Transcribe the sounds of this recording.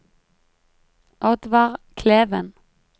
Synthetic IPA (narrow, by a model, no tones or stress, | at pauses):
ʔɑd̪ʋɑːʁkʰleːʋən